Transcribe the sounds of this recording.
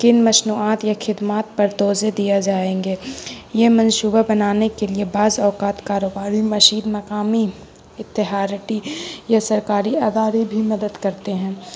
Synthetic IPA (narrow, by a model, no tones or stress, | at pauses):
kɪnmɐʃnuːaːt̪jaxʰɪd̪maːt̪̚pɐɾt̪ɔːzed̪ijad͡ʒaːẽːŋɡeːjemɐ̃nʃuːbabɐnaːnekeliebaːzɔːkaːt̪kaːɾoːbaːɾimɐʃiːd̪mɐkaːmi | ɪt̪ːɪɦaːɾɪʈijasɐɾkaːɾiaːd̪aːɾibʱimɐd̪əd̪kɐɾt̪eɦɛ̃ː